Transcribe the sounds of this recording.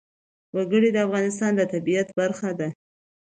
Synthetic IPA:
waɡəɽid̪əafɣɑnɪs̬t̪ɑnd̪ət̪abijat̪baɾxad̪a

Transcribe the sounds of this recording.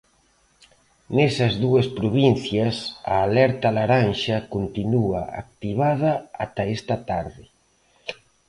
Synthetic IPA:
nesɐzðuɐspɾoβinθjɐsa̰ːlɛɾt̪ɐlaɾanʃɐkont̪inua̰a̰k̚t̪iβaðɐa̰t̪ɐest̪ɐt̪aɾðɪ

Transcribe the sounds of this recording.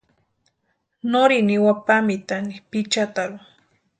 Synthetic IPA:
noɾiniwapamit̪anipit͡ʃat̪aɾu

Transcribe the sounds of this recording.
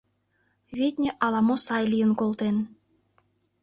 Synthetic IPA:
βʲet̪ʲnʲĕʔɑlˠɑmosɑjlʲijə̆nkolˠt̪en

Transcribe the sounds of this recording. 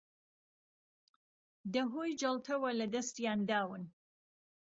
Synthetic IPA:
d̪əɦojd͡ʒalt̪ʰawalad̪ast̪jand̪ɑwən

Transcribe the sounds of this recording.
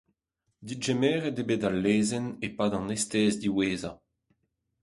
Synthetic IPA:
d̪iʒemɛːʁɛdebedalːeːzɛnepaːdɑ̃nest̪ɛːzd̪iweːza

